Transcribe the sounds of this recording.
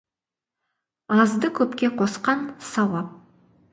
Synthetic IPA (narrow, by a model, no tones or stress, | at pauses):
ɑzd̪əkʲʰɵpkʲe̞qʰo̞sqɑnsɑwɑp̚